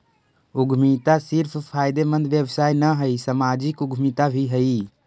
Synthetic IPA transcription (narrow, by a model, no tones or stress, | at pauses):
ʊɡʱmit̪asɪɾpʰpʰaːjd̪emə̃nd̪ʱʋjəbsaːinəɦəisəmaːd͡ʒɪkʊɡʱmit̪abʱiɦəi